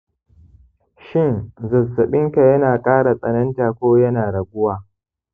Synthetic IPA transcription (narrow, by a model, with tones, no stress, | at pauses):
ʃɪ˦nzɐ˨zːɐ˨ɓɪ˦ŋka˨jɐ˦naː˨kʼaː˦ɽa˨sʼɐ˨nɐ˦ntaː˨kʷoː˦jɐ˦naː˨ɽɐ˨ɡʷʊ˦waː˨